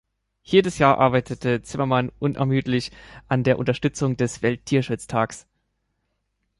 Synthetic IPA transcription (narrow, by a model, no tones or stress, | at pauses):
jeːdəsjaːɐʔa̰ɐbaɪtʰətʰət͡sɪmɐmanʔʊnʔɛ̰ɐmyːtlɪçʔandeːɐʔʊntɐʃtʏt͡sʊŋdɛsv̥ɛlt̚tʰiːɐʃʊt͡stʰaːks